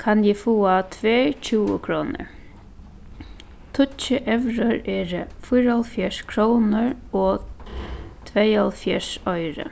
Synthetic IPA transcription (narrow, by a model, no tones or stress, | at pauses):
kʰanjɪfuːat̪ʰʋeːt͡ʃʰuːə̰kʰɾɔːnə̰ɹ | t̪ʰʊt͡ʃəʔɛʋɾəɾɛːɾəfʊjɾɔlfjɛʂkʰɾownəɹɔ | t̪ʰʋejalfjɛʂɔjɾə̰